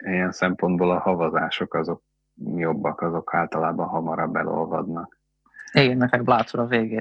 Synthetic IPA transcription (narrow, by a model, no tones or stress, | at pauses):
ijɛnsɛmpo̞nd̪boːlɒhɒvɒzaːʃokɒzo̞k̚ | jo̞bːɒkɒzo̞kʰaːlt̪ɒlaːbɒɦɒmɒɾɒbːɛlo̞̰lvɒd̪nɒk | iːɡɛnːɛkɛɡ̚blaːt̪suɾɒveːɡeː